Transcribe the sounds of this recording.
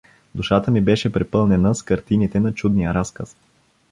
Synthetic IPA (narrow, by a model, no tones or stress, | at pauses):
d̪uʃat̪əmibɛʃɛpɾɛpɤlˠnɛnəskɐɾt̪init̪ɛnɐt͡ʃud̪nijəɾaskəs